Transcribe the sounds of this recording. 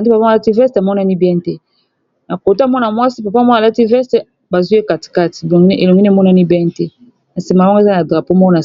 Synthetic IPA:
a˨ndi˦pa˨pa˦˨a˦ti˦vɛ˦sta˨mɔ˦na˦ni˦bjɛ̃˦ntɛ˦ | na˨ko˨tmɔ˦na˨mwa˦si˦pa˨pa˦˨mɔ˦a˨la˦ti˦vɛ˦ste˨˦ | ba˨zu˦e˦ka˨ti̥˨ka˦ti̥˨o˨ŋɡn˦e˨lo˨ŋɡi˦ni˦mɔ˦na˦ni˦bjɛ˦ntɛ˦ | na˨si˨ma˨lɔ˦ŋɡe˦˨za˦na˨dʁa˨po˦mɔ˦ko˦na˨

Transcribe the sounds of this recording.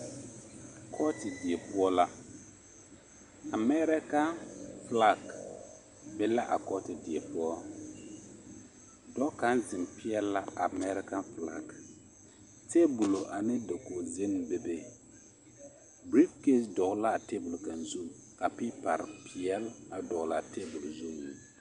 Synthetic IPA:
kʰɔ˦tɪ˨di˨ɛ˨pʊ˦ɔ˦la˦ | a˨mɛ˦ɾɪ˦ka˦nfla˦k | bɛ˦la˦ʔa̰˨kɔ˦tɪ˨di˨ɛ˨pʊ˦ɔ˦ | dɔ˦ka˨˦nzɪ˨mpi˦ɛ˦lːa˦a˨mɛ˦ɾɪ˦ka˦nfla̰˦k | te˦bu˨lo˨ʔa˨nɪ˦do˨ko˨ze˦n˨˦be˦be˦ | bɾi˦bke˦sdɔ˨ɡla˦˨te˦bʊ˨lka˨nzu˦˨m | ka˨pi˦pa˨ɾɪ˨pi˨ɛ˦la˨dɔ˨ɣla˨te˦bʊ˨lzo˦ŋ˨ni˨

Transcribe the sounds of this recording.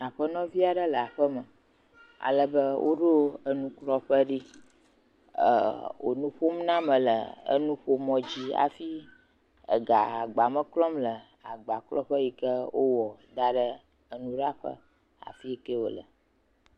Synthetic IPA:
a˨ɸə˦nɔ̃˦vi˦a˨ɖə˦lə˨a˨ɸə˦mə˨ | a̰˨lə˦bə˦wʔo˦ɖo˦ə˦nũ˦klɔ˦ɸə˦ɖi˦ | ə̰˨wo̰˨nũ˦ɸo˦mnã˦mə̃˨lə˨ə̰˦nũ˦ɸo˦mɔ̃˦d͡ʑi˦a̰˨fi˦ | ə̰˨ɡa˨a˨ɡ͡ba˨mə˦klɔ˦mlə˨ | a˨ɡ͡ba˨klɔ˦ɸə˦ji˨kə˦wo˦wɔ˨d̪a˦ɖə˦ | ə˨nũ˦ɖa˦ɸə̰˦ | a̰˨fi˦ke˦wo̰˨lə̰˨

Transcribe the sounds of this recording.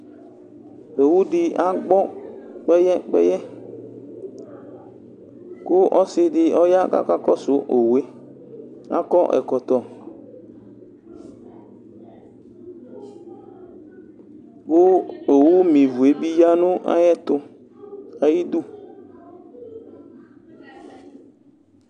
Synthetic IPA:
o˨wu˦dɪ˦a˦ɡ͡bɔ˦k͡pɛ˦jɛ˦k͡pɛ̰˦jɛ˦ | kʊ˦ʔɔ˦sɪ˦dɪ˦ɔ˦ja˦ka̰˦˨ka˦kɔ˦sʊ˨˦ʔo˨we˦ | a̰˦kɔ˦ʔɛ̰˨kɔ˨t̪ɔ˨ | kʊ˦o˨wu˦mĩ˨vu˨e˦bi˦ja˦nʊ˦a̰˦jɛ˦t̪ʊ˦ | a˨ji˦du˦

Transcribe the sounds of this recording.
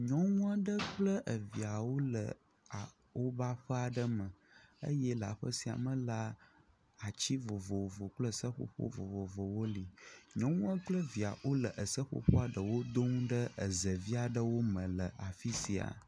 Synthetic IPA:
ɲɔ̃˦wũ˦a˦ɖə˦k͡plə˦ʔə˨vi˨a˨wo˦lə̰˨ | a˨ | wo˦ba˦ɸə˦a˨ɖə˦mə̃˨ə̰˦jɛ˦la̰˨ɸə˦si˨a̰˨mə̃˦la˦ | a˨t͡ɕi˦vo˨vo˨wo˨vo˨k͡plə˦˨sə˦ɸo̰˦ɸo̰˦vo˨vo˨vo˨wo˦li˨ɲɔ̃˦wũ˦ə˦k͡plə˦vi˨a̰˨wo˦lə˨ʔə˨sə˦ɸo̰˦ɸo̰˦a˨ɖə˨wo˦d̪o˦ŋũ˦ɖə˦ə˨zə˨vi˦a˨ɖə˦wo˦mə̃˨lə˨a˨fi˦si˨a̰˨

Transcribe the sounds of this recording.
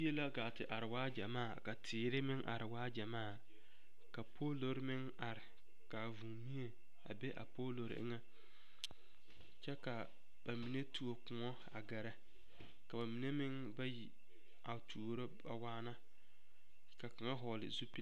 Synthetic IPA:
e˦la˦ɡaː˨tɪ˨ʔa˨ɾɪ˨waː˦d͡ʒa˨maː˦˨ka˨tʰɪː˨ɾɪ˦mɪ˦ŋʔa̰˨ɾɪ˨waː˦d͡ʒa˨maː˦˨ | ka˨pʰoː˦lo˦ɾmɪ˦ŋ | a˨ɾɪ˨ | ka˨vu˨ŋmi˦e˨ | a̰˨be˦ʔa̰˨poː˦lo˨ɾ̰ʔɪ̰˦ŋɛ˦ | t͡ʃɛ˦ka˨ | ba˨mi˨ne˦tu˨o˨kʊ˨ŋɔ˦ | a̰˨ɡa˨ɾɛ˦ | ka˨ba˨mi˨ne˦mɪ˦ŋ | ba˦ji˨ | a˨tʰu˨o˨ɾo˦ba˨waː˦na˦ | ka˨ka˨ŋa˦ɦɔː˨lɪ̰˨zu˦pi˦

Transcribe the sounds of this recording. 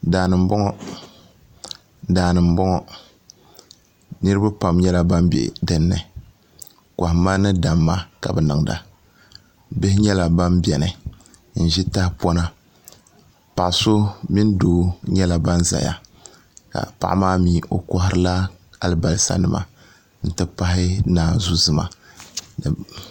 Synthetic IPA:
daː˨nɨ˨m̩˦bɔ˦ŋɔ˦ | daː˨nɨ˨m̩˨˦bɔ˦ŋɔ˦ | nɨ˦ɾɨ˦ba˦pa˨mɲɛ˦la˦ba˦m˦bḛ˨ʔdɨ˦nːɨ˨ | ka˨hma˦nɨ˦da˨mːa˦ka̰˨bɛ˨nɨ˨ŋ˨da˨ | be˦hɪ˦ɲɛ˦la˨ba˦mbɛ˨nɨ˨ | n̩˨ʒi˦ta˦hɪ˦pɔ˦na˦ | pa˨ʔso˦mi˦n˦doː˨˦ɲɛ˦la˨ba˦nza̰˨ja̰˨ | ka̰˨pa̰˨ʔmaː˦miː˨˦ʔo˨kɔ˦hɪ˦ɾɨ˦la˦a˨lɨ˦ba˨lsa̰˨nɨ˨ma̰˦ | n̩˨tɨ˦pa˦hɪ˦naː˨zu˦zɨ˨ma̰˦˨

